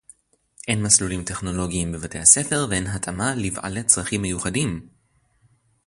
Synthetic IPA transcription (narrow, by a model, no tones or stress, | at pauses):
ʔe̞nmaslulimte̞χno̞lo̞ɡiːmbe̞vate̞jhase̞fe̞ʁveenɦatʰamalivʔa̰let͡sʁaχimːe̞juχadim